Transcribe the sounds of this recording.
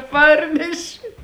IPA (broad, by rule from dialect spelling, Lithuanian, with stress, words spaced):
ˈpɐrʲnʲɛʃʲɪ